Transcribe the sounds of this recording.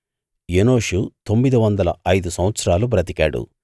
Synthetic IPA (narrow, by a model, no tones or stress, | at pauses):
jeno̞ːʂut̪o̞mːid̪iʋɐnd̪ɐlɐʔɐjd̪usɐmʋɐt̪sɐɾaːlupɾɐt̪ika̰ːɽṵ